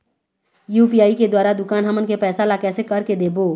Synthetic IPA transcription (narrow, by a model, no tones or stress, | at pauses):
juːpijaːiked̪waːɾad̪ʊkaːnɦɐmənkepɛːsalakɛːsekəɾked̪eːboː